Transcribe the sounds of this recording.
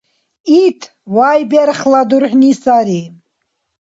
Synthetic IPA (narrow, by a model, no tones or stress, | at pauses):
it̪ʰ | wajbaɾχlad̪uɾħnisaɾi